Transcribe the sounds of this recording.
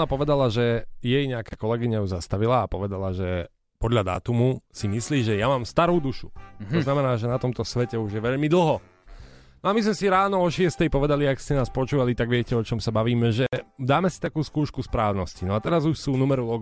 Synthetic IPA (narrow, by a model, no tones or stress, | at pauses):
napɔʋɛd̪alaʒɛjɛjɲɛakaːkɔlɛɡiɲajuzast̪aʋilaːpɔʋɛd̪alaʒɛ | pɔd̪ʎad̪a̰ːt̪umusimisliːʒɛjamaːmst̪aɾuːd̪uʃut̪ɔznamɛnaːʒɛnat̪ɔmt̪ɔsʋɛcɛuʒjɛʋɛʎmid̪l̩ˠɦɔ | nɔamizmɛsiɾaːnɔɔʃɪɛst̪ɛjpɔʋɛd̪aliakscɛnaːspɔt͡ʃuːʋalit̪aɡʋɪɛcɛɔt͡ʃɔmsabaʋiːmɛʒɛd̪aːmɛsit̪akuːskuːʃkuspɾaːʊnɔscinɔat̪ɛɾazuʃsuːnumɛɾulɔɡ